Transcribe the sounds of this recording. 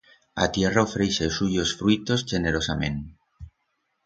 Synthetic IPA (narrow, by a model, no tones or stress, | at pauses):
a̰t̪je̞raofɾesesuʝosfɾuit̪o̞zʝeneɾosamḛ̃nt̪